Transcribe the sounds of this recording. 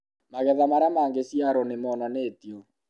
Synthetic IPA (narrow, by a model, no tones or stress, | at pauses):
maɣɛðamaɾamaːŋɡesjaɾɔnemɔnaneːtiɔ